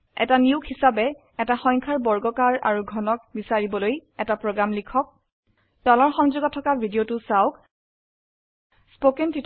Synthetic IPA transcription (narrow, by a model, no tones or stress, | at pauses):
ɛ̰taniʊkʰhisabɛ | ɛtaxɔɲkʰaɹbɔɹɡɔkaɹa̰ɹuɡʱɔnɔk̚bisaɹibɔlojɛtapɹoɡɹamlikʰɔk̚ | tɔlɔɹxɔŋzuɡɔtʰːɔkabʱidiotʊsaʊk | spokentit